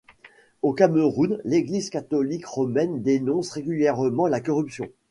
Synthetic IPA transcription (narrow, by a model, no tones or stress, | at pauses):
okaməʁunleɡlizkat̪ɔlikʁɔmɛnd̪enɔ̃sʁeɡʲyljɛʁmɑ̃lakɔʁypsjɔ̃